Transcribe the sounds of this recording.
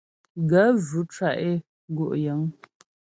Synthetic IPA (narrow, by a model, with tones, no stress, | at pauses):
ɡə˨˦vʉ˨˦t͡ʃa˨ʔe˦˨˦ | ɡo˦˨ʔjə˨˦ŋ